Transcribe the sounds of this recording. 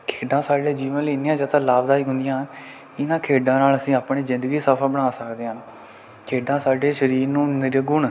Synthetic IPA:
kʰeːɖãːsaːɖẽːd͡ʒiːʋənliːnːɪjãːd͡ʒəːt̪ʰãːlaːbd̪aːiːɦʊ̃nd̪ɪjãːɦən | ɪnãːkʰeːɖãːnaːləsĩːaːpɳeːzɪ̃nd̪əɡiːsəpʰəɾbəɽaːsəkd̪eːɦn | kʰeːɖãːsaːɖeːʃəɾiːɾnũːnɪɾɡʊɳ

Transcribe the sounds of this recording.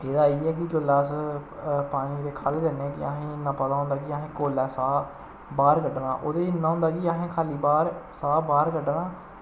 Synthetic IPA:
eːd̪aːiːɛːk̬ɪd͡ʒolːaːs | paːɽ̃ĩːd̪eːkʰaːleːd̪əneːɛ̃ːkɪaːɦẽːɪnːãːpət̪aːɦʊ̃nd̪aːkiaːɦẽːkoːlɛːsaː | baːɾkəɖnãːʔoːd̪eːnːãːɦʊ̃nd̪aːkiːaːɦẽːkʰaːliːbaːɾsaːbaːɾkəɖnãː

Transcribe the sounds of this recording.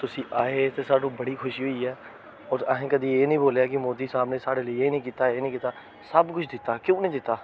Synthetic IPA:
t̪ʊsĩːʔaːet̪eːsaːʈũːbəɽiːxʰʊʃiːɦoiːɛː | ɔːɾəɦẽːkəd̪iːeːnəĩːboːljaːkɪmoːd̪iːsaːbneːsaːɽeːlieːnəĩːkiːt̪aːeːnĩːkiːt̪aː | səbkʊt͡ʃʰd̪ɪt̪ːaːkjõːnəɦĩːd̪ɪt̪ːaː

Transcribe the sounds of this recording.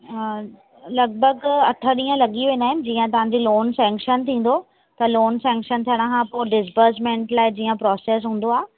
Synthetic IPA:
lɐɡ̚bəɡɐʈʰəɗĩːə̃lɐɠiʋẽːnaːɦɪnɪ̆d͡ʑiːə̃t̪ɐʋ̤ãɲd͡ʑiloːnsɛ̃ːŋkʃənt̪ʰĩːn̆d̪o | t̪ɐloːnsɛ̃ːŋkʃənt̪ʰijəɽ̃kʰãpoːɖɪsbəɾsmẽːɳʈlaːɪd͡ʑiːə̃pɾɔːseːs̬ɦũːn̆d̪oaː

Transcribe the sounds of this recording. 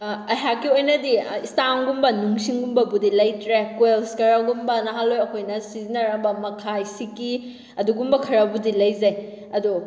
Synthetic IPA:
ɐɦakːiojnɐdiistaŋɡumbɐnuŋsiŋɡumbɐbudilɐjtɾekwelskɐɾaɡumbɐnɐɦalojɐkʰojnɐsizinɐɾɐbɐmɐkʰajsiki | ɐduɡumbɐkʰɐɾɐbudilɐjzɐj | ɐdu

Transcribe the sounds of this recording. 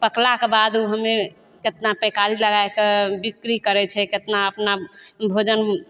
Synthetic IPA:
pəklakebad̪uɦəme | ket̪napɛkaɾiləɡaekebikɾikəɾɛt͡ʃʰɛket̪naəpnabʱod͡ʒən

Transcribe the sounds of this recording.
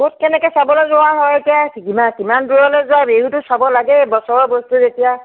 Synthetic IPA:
kot̚kɛnɛkɔsabɔlɔzɔw̃aɦɔjetijakikimakimandɹujɔlɔzʊabeɦutʊsabɔlaɡɛbɔsɔɹɔbostuzetija

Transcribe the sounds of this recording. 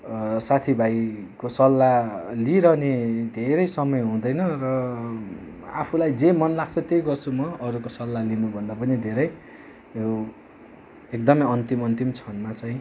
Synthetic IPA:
sat̪ʰibʱajkosʌlːaliɾʌned̪ʱeɾʌjsʌmʌjɦũd̪ʌjnʌrʌ | a̰pʰulajd͡zemʌnlaɡt͡sʰʌt̪ejɡʌrt͡sʰumʌʌɾukosʌlːalinubʱʌnd̪apʌnid̪ʱeɾʌj | ow | ekd̪ʌmʌjʌnt̪imʌnt̪imt͡sʰʌnmat͡saĩ

